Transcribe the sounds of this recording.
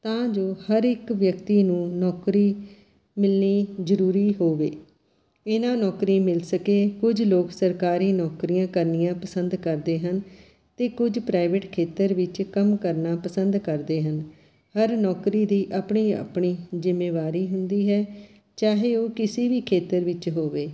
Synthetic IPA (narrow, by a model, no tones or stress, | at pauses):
t̪ãːd͡ʒoːhəɾɪkʋjəkt̪iːnũːnɔːkɾiː | mɪlniːzəɾuːɾiːɦoːʋeː | ɪnãːnɔːkɾiːmɪlsəkeːkʊd͡ʒloːksəɾkaːɾiːnɔːkɾijãːkəɾnijãːpəsənd̪kəɾd̪eːɦən | t̪eːkʊd͡ʒpɾaːɪʋeːʈkʰeːt̪əɾʋɪt͡ʃkəmkəɾnaːpəsənd̪kəɾd̪eːɦən | həɾnɔːkɾiːd̪iːʔaːpɳiːa̰pɳiːzɪmːeːʋaːɾiːɦʊnd̪iːɦɛː | t͡ʃaːɦeːoːkɪsiːʋiːkʰeːt̪əɾʋɪt͡ʃɦoːʋeː